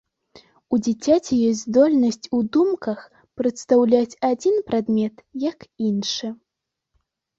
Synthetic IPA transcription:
ud͡zʲat͡sʲat͡sʲɛjɔsʲzd̪ɔlʲnɐsʲt͡sʲud̪umkɐx | pɾɐt̪st̪awlʲat͡sʲad͡zʲinpɾad̪mʲɛt̪jɐkinʂɨ

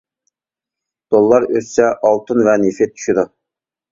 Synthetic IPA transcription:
d̪̥olˠːɑɾøssɛʔɑlˠt̪ʰɨnvɛnefet̪̚ʰy̥ʃid̪u

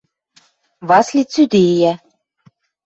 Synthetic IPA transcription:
βɑslʲit͡syd̪ejæ

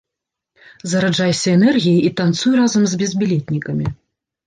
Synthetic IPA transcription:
zɐɾad͡ʐajsʲɐɛnɛrɣʲijiit̪ant̪sujɾazɐmzʲbʲɛzʲbʲilʲɛt̪ʲnʲikɐmʲi

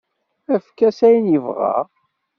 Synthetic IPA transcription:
æfkːæsæjnjəvʁɑ̰

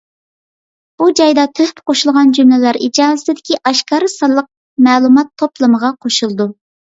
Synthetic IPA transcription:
b̥ud͡ʒɑjd̪ɑt̪ʰøhpqoʃulˠʁɑnd͡ʒymlɪlæɾid͡ʒɑːzɪsɪd̪ɪkʲiʔɑʃkɑːɾɨsɑlˠːəq̚ | mɛːlˠumɑt̪ʰːoplˠɨməʁɑqʰoʃulˠd̪u

